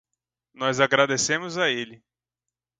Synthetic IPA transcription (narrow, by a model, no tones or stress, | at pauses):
nɔzaɡɾad̪esẽmʊzaelɪ